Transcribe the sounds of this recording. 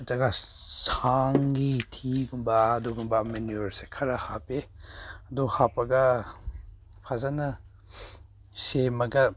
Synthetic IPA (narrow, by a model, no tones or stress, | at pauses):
tɐɡɐsaŋɡitʰiɡunbɐːduɡumbɐmenuoɾsekʰɐɾɐhapeɐduhapɐɡɐ | pʰazanɐ | semɐɡɐ